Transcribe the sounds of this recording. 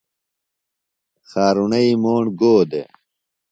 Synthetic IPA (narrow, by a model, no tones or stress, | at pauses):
xaːɾunɐimoːɳɡoːd̪ḛ